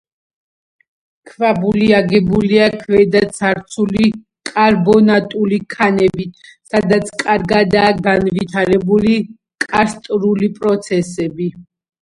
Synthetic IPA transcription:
kʰvabuliaɡɛbuliakʰvɛd̪at̪sʰaɾt̪sʰuli | kʼaɾbɔnat̪ʼulikʰanɛbit̪ʰsad̪at̪sʰkʼaɾɡad̪aːɡanvit̪ʰaɾɛbuli | kʼast̪ʼɾulipʼɾɔt̪sʰɛsɛbi

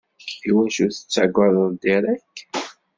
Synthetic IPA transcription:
iwænʃuθə̥t͡sːaɡʷəðˤəðˤd̪iɾˤæk

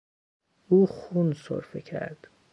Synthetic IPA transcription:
uːxunso̰ɾfecʰæ̰ɾd̪̥

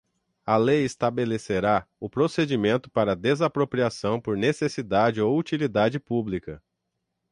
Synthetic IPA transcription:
ɐlejest̪abeleseɾaʊpɾosed͡ʒimẽnt̪ʊpaɾɐd̪ezapɾopɾiasɐ̃w̃poɾnesesid̪ad͡ʒɪowut͡ʃilid̪ad͡ʒɪpublikɐ

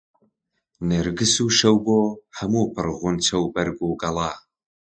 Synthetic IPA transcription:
nɨɾɡɨsuːʃɐwboːhɐmuːpʰɨɾɣʊnt͡ʃʰɐwbɐɾɡuːɡɐlˠaː

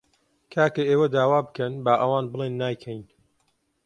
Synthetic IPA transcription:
kʰaːkɐeːwɐd̪aːwaːbɨkɐnbaːʔɐwaːnbɨlˠeːnːaːjkʰɐjn

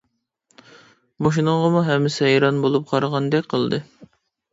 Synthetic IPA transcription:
moʃ̬inɨɴʁɑmuɦɛmːɪsɪɦɛjɾɑnbolˠup̚qʰɑɾɑʁɑnd̪ɛkʲqʰəlˠd̪ɨ

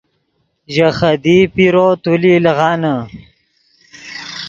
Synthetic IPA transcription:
ʑɐχɐd̪ipiɾot̪ulilɐɣɑːnə

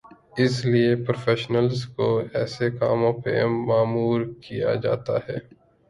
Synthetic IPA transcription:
ɪsliepɾofʰeːʃnəlzkoɛːsekaːmõpḛmaːmuːɾkija̰d͡ʒa̰ːt̪a̰ɦɛː

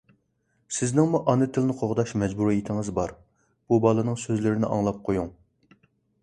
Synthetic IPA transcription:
sɪznɪŋmuʔɑnɨt̪ʰɪlnɨqʰoʁd̪ɑʃmɛd͡ʒbuɾjit̪ʰɪŋɨzbɑɾ | b̥ubɑːlˠɨnɨŋsøzlɪɾɪnɪ̰ʔɑŋlˠɑp̚qʰojuŋ

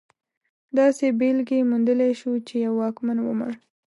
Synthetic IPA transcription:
d̪ɑsebelɡemund̪əleʃut͡ʃejawːɑkmanwə̰mə̰ɳ

